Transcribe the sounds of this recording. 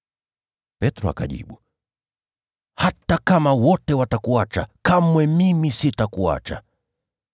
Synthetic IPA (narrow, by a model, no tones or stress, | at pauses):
pɛtɾɔa̰ka̰ʄḭɓu | hatakamawɔtɛwatakuat͡ʃakamwɛmimisitakua̰t͡ʃa